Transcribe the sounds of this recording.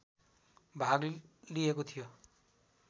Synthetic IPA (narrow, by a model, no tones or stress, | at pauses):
bʱaɡliekot̪ʰijo